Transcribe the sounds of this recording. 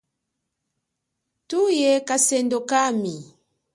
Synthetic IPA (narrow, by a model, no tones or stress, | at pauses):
tujɛkasɛndokami